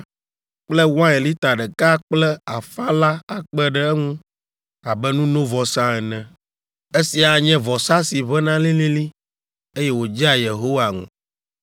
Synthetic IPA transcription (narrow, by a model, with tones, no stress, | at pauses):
k͡plɛ˦wã˦e˨li˦t̪a˨ɖɛ˨ka˦k͡plɛ˦a˨fa˦la˦a˨k͡pɛ˦ɖɛ˦ɛ˦ŋũ˦ | a˨bɛ˦nũ˦nõ˦vɔ˨sã˦ɛ˨nɛ̃˨ | e˦si˨a˨ɲɛ̃˦vɔ˨sa˦si˨βɛ˦nã˦lĩ˦lĩ˦li˦ | e˦jɛ˦wo˨d͡ʒa˦je˨ɦo˦wa˨ŋṵ̃˨